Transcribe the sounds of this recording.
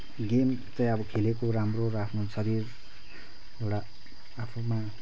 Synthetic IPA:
ɡem | t͡sʌ̃j̃ʌbʌkʰelekoɾamroɾʌapʰnosʌɾir | ewɽaː | pʰuma

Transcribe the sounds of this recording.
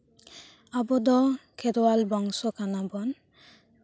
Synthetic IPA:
abɔd̪ɔkʰɛdɔwalbɔŋsɔkanabɔn

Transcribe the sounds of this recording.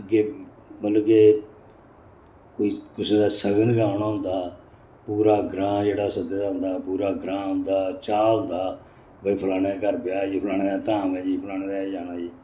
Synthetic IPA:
ɡeː | bəlɡeː | koːiːkʊsẽːd̪aːsəɡənɡãːʊnaːɦʊ̃nd̪aː | puːɾaːɡɾãːd͡ʒeːɽaːsəd̪eːd̪aːɦʊ̃nd̪aːpuːɾaːɡɾãːɦʊ̃nd̪aːt͡ʃaːɦʊ̃nd̪aː | bəiːpʰəlaːɽ̃eːkəɾpɪjaːd͡ʒipʰəlaːɽ̃eːaːt̪ãːʋɛːd͡ʒiːpʰəlaːñeːdɛːd͡ʒaːnaːd͡ʒiː

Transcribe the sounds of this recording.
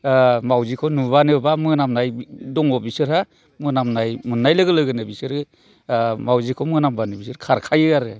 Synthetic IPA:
mawzikʰɔnuβanɯbamɯnamnajdɔŋɔbisɯɾha | mɯnamnajmunːajlɯɡɯlɯɡɯnɯbisɯɾɯ | mawzikʰɔmɯnambanɯbisɯɾkʰaɾkʰajɯaɾɯ

